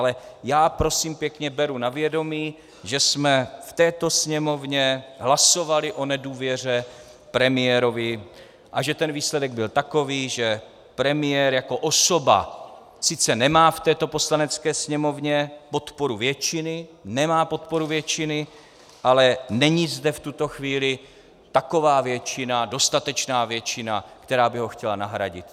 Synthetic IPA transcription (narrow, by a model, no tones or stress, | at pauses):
lɛjaːpɾo̞siːmpjɛkɲɛbɛɾunavjɛdo̞miː | ʒɛsmɛft̪ɛːt̪o̞sɲɛmo̞vɲɛɦlaso̞valɪʔo̞nɛduːvjɛr̝ɛ | pɾɛmɪjɛɾo̞vɪ | ʔaʒɛt̪ɛnviːslɛdɛɡ̚bɪlt̪ako̞viːʒɛ | pɾɛmɪjɛɾjako̞ʔosoba̰ | sɪt͡sɛnɛmaːft̪ɛːt̪o̞po̞slanɛt͡skɛːsɲɛmo̞vɲɛpo̞t̪po̞ɾuvjɛt͡ʃɪnɪnɛmaːpo̞t̪̚po̞ɾuvjɛt͡ʃɪnɪ | ʔalɛnɛɲizdɛft̪ut̪o̞xviːlɪ | t̪ako̞vaːvjɛt͡ʃɪnado̞st̪at̪ɛt͡ʃnaːvjɛt͡ʃɪnakt̪ɛɾaːbɪɦo̞xcɛlanaɦɾaɟɪt̪